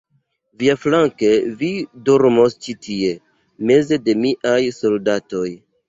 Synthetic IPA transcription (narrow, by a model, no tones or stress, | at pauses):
viaflaŋkevidoɾmost͡ʃitʰie̞ | me̞ze̞de̞miʔajso̞ldato̞j